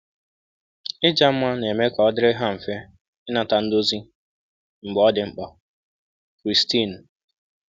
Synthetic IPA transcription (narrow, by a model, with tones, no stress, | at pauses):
ɪ˦d͡ʒa˦m̩˦ma˦ne˨me˦ka˨ɔ˦dɪ˦ɾɪ˦ɦa˦m̩˨fe˦ | ɪ˦na˨ta˨n̩˦do˦zi˦ | ŋ͡m̩˨ɡ͡bɔ˦dɪ˨ŋ͡m̩˦k͡pɔ˨ | kɾi˨sti˦˨n̩˨